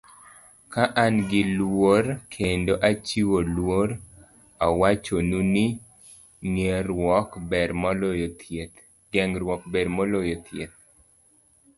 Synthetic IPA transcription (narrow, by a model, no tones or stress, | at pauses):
kaʔanɡɪlwoɾkʰendoʔat͡ʃiwolwoɾ | awat͡ʃonunɪ | ŋeɾwɔkbɛɾmɔlojotʰet̪ | ɡɛŋɾwɔk̚bedmɔlojot̪jet̪̚